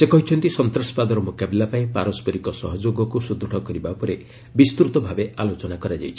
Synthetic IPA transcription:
sekɔɦit͡ʃʰɔnt̪isɔnt̪ɾɔspad̪ɔɾɔmokabilapaĩpaɾɔspɔɾikɔsɔɦɔd͡ʒoɡɔkusud̪ʱːɔɽɔkɔɾibapɔɾe | bist̪uɾt̪ɔbʱabealot͡ʃɔnakɔɾad͡ʒa̰jt͡ʃʰi̥

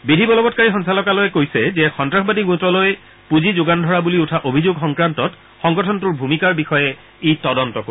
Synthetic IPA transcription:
bidʱibɔlɔbɔtkaɹixɔnsalɔkalojɛkojsɛzɛxɔntɹaxɔbadiɡutɔloj | puzizoɡandʱɔɹabuliutʰaʔobʱizoɡxɔŋkɹantɔt | xɔŋɡɔtʰɔntuɹbʱumikaɹbixɔjɛ | ejtɔdɔntɔko

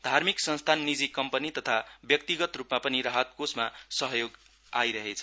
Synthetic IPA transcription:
d̪ʱarmiksʌnst̪ʰanːid͡zikʌmpʌnit̪ʌt̪ʰabjʌk̚t̪iɡʌt̪rupmapʌniɾaɦʌt̪̚kosmasʌɦjoɡ | ajɾʌɦet͡sʰʌ

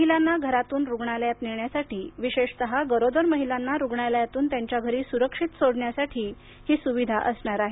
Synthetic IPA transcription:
məɦilanːaɡʱəɾat̪uːnɾuɡɳaljat̪neɳjasaʈʰiːʋiɕeʂsəɦaɡəɾod̪əɾməɦilanːaɾuɡɳaljat̪uːnt̪jaɲt͡ɕjaɡʱəɾiːsuɾəkʂit̪soɽɳjasaʈʰiː | hiːsuʋid̪ʱaʔəsɳaɾaɦe

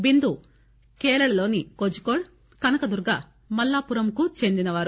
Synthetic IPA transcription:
bind̪u | kɛːlɐɭɐlo̞ːnikod͡ʒukoːɽ | kɐnɐkɐd̪uɾɡa̰ː | mɐlːaːpuɾɐmkut͡ʃe̞nd̪inɐʋaːɾu

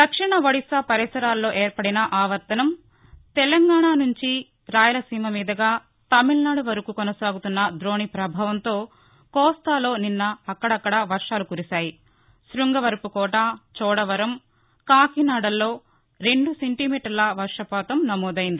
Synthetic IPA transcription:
d̪ɐkʂiɳɐʋɐɽisapɐɾisɐɾaːlːo̞ːʔeːɾpɐɽinɐʔaːʋɐɾt̪ɐnɐm | t̪ɛlɐŋɡaːɳaːnuɲt͡ʃi | ɾaːjɐlɐsiːmɐmiːd̪ɐɡaː | t̪ɐmilnaːɽuʋɐɾɐkuːkɔnɐsaːɡut̪unːɐd̪ɾo̞ːɳipɾɐbʱaːʋɐnt̪o̞ː | kɔːst̪aːlo̞ːninːɐːkːɐɽɐkːɐɽɐʋɐɾʂaːlukuɾisaːji | sɾuŋɡɐʋɐɾɐpukɔːʈaːt͡ʃɔːɽɐʋɐɾɐm | kaːkinaːɽɐlːo̞ː | ɾe̞ɳɖuse̞ɳʈimiːʈɐɾlɐʋɐɾʂɐpaːt̪ɐmnɐmɔːd̪ɐjind̪i

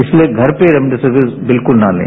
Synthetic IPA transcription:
ɪslieɡʱɐɾpeɾɐmɖɐsɐɾʋisbɪlkʊlnaːlḛ̃ː

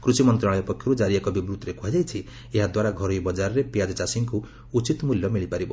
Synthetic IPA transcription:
kɾusimɔnt̪ɾaɭ̃ɔjepɔkʰjɔɾud͡ʒaɾiekɔbibɾut̪ɾekʰuad͡ʒajt͡ʃʰi | eɦad̪waɾaɡʱɔɾɔjbɔd͡ʒaɾɔɾepijad͡ʒt͡ʃasiŋku | ut͡ʃit̪muljɔmiɭipaɾibɔ

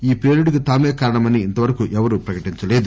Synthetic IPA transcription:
iːpɾeːɾiɽikut̪aːmeːkaːɾɐɳɐmɐniːnt̪ɐʋɐɾɐkuʔɛʋɐɾupɾɐkɐʈiɲt͡ʃɐleːd̪u

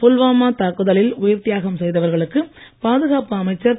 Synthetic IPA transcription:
pʊlʋaːmaːt̪aːkɯðɐlɪlʊjɐɾt̪ɪjaːɣɐmsɛjðɐʋɐɾɣɐɭɯkːɯpaːðɯɣaːpɯɐmɐɪt͡ʃːɐɾ

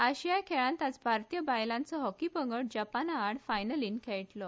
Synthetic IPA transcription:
aɕijakʰeɭãnt̪at͡sbʱaɾt̪ijəbajlãnt͡sɔɦɔkipəŋɡəɽd͡ʑapanaːɽfajnəliːnkʰeɭʈlɔ

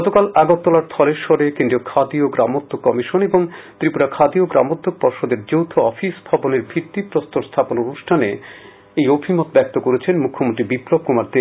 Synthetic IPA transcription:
ɡɔt̪okalaɡot̪ːolaɾt̪ʰɔleɾʃɔɾekend̪ɾiokʰad̪ioɡɾamod̪ʱːokːɔmiʃoneboŋt̪ɾipuɾakʰad̪ioɡɾa̰mod̪ʱːok̚pɔɾʃod̪eɾd͡ʑowt̪ʰoɔfisbʱɔboneɾbʱit̪ːipɾost̪oɾst̪ʰapononuʃʈʰane | ejobʱimot̪̚bɛk̚t̪okoɾet͡ɕʰenmukʰːomont̪ɾibiplob̚kumaɾd̪e

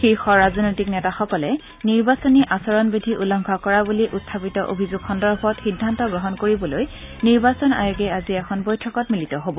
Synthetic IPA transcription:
xejxɔɹazɔnojtiknɛtaxɔkɔlɛ | niɹbasɔniʔasɔɹɔnbidʱiʔulɔŋkʰakɔɹabuliʔutʰːapitɔʔo̰bʱizuɡxɔndɔɹbʱɔtxidʱːantɔɡɹɔɦɔnkoɹibɔloj | niɹbasɔna̰juɡɛaziɛkʰɔnbɔjtʰɔkɔtmilitɔɦobɔ

